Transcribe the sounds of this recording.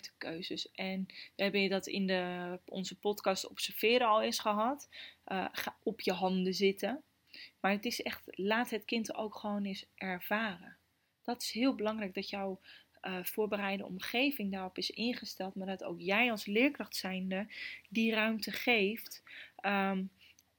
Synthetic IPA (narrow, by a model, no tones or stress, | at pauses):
tə̥køɥzəsʔɛnʋəɦɛbənədɑtɪ̰ndəɔ̰nzəpɔtkɑstɔ̰psəɹv̥ɪːɾəɑlˠɪsχəɦɑt | χaɔpjəɦɑndəzɪtə | maːɹətɪsɛχtlaːtɦətkɪnto̰wkχəʋownɪsʔɛɹv̥aːrə | d̥ɔtɪ̥sɦɪːlˠbəlɑŋrɛjɡ̚dɔtjaw | v̥oːɹbəɾɛjdə̰ɔ̰mχejvɪŋdaːrɔpɪsɪnχəstɛlˠtmaːɹdɔto̰wkjɛjɑlˠslɪːɹkrɑχtsɛjndədirœɥmtəχejftə